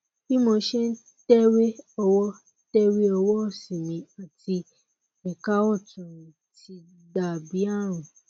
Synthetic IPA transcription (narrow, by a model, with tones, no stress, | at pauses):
ki˦mõ˧˦ʃɛ˦n̩˦ | tɛ˦ɾe˦ɔ˧wɔ˦ | tɛ˦ɾe˦ɔ˧wɔ˦˨sĩ˨mĩ˧a˨ti˧ | ɛ˨ka˦ɔ˦˨tũ˨ɾ̃ĩ˨ | ti˧ | da˨bi˨˦a˦˨ɾ̃ũ˨